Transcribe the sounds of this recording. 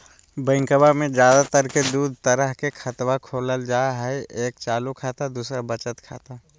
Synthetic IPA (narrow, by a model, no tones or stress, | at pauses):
bə̃ɪ̃ŋkəbamẽd͡ʒjaːd̪at̪əɾked̪uːd̪ʱt̪əɾəɦkekʰət̪wakʰoːləld͡ʒaːɦɛeːk̚t͡ʃaːlukʰaːt̪ad̪uːsɾabət͡ʃət̪kʰa̰ːt̪a